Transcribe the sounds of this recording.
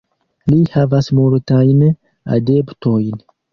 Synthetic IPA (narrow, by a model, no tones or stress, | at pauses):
lihavasmultajn | a̰de̞pto̞jn